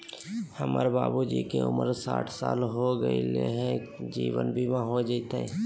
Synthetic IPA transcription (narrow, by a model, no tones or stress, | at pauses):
həmaːɾbaːbud͡ʒiːkeʊməɾsaːʈʰsaːlɦoɡəileɦɛ̃d͡ʒiːʋənbʱiʋãɦod͡ʒait̪e